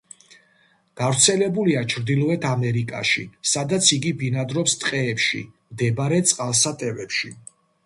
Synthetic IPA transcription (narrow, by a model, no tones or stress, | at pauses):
ɡ̥avɾt̪sʰɛlɛbuliat͡ʃʰɾd̪ilˠɔɛt̪ʰamɛɾikʼa̰ʃḭsad̪at̪sʰiɡibinad̪ɾɔpst̪ʼqʼɛːpʃḭmd̪ɛbaɾɛt̪sʼqʼalˠsat̪ʼɛvɛpʃi